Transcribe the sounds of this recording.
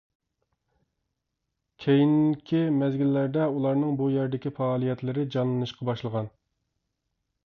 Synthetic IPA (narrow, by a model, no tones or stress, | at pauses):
kʲʰejinkʲʰimɛzɡʲilːæɾd̪ɛulˠɑɾnɨŋbujɛɾɪd̪ɪkʲifɑːlˠijɛt̪lɪɾɪd͡ʒɑnlˠɨnɨʃqɑbɑʃlˠəʁɑn